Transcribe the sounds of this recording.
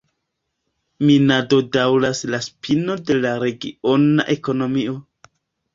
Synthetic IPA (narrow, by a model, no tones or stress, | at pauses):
minado̞dawlaslaspʰino̞de̞laɾe̞ɡio̞na̰ʔe̞ko̞no̞mio̞